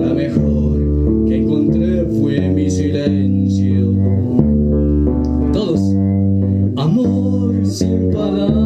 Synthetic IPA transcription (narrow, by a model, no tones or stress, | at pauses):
ɾamexo | ɾ | keeŋkont̪ɾeɾfwemisiɾaen | sio | t̪o | s | amo | ɾse | paɾa